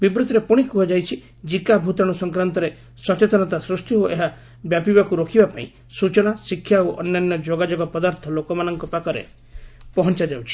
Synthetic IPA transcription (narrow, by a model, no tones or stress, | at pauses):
bibɾut̪ɔɾepuɽ̃ikuɦɔd͡ʒajt͡ʃʰi | d͡ʒikabʱut̪ɔɽ̃usɔŋkɾant̪ɔɾe | sɔt͡ʃet̪ɔnɔt̪asɾusʈ̪jioʔeɦa | bjapibakuɾokʰibapaḭ̃ | sut͡ʃɔɽ̃asikʰːjaoʔɔnjanːjɔd͡ʒoɡad͡ʒoɡɔpɔd̪aɾt̪ʰɔlokɔmanɔŋkɔpakɔɾḛ | pɔɦɔnt͡ʃad͡ʒawt͡ʃʰi̥